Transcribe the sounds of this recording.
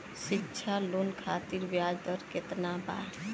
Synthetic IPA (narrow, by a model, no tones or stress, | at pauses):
ʃɪkːʃʰalonkʰaːt̪iɾʋjaːd͡ʒd̪əɾket̪naba̰ɾ